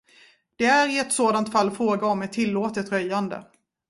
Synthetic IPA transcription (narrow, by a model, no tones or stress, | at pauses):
d̪̥ɛæɾɪɛt̪soːd̪ant̪falːfɾoːɡaɔmɛt̪ʰːɪlːoːt̪ət̪ɾœjːand̪ə̰